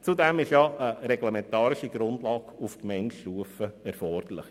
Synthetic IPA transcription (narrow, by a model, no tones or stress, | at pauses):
t͡sud̪ɛmɪʃjɑʔəɾɛɡlɛmɛnt̪ɑːɾɪʃiɡ̥ɾʊndlɑːɡufkmɛntʃtuəfəɛɾfɔrd̪̥əɾlɪχ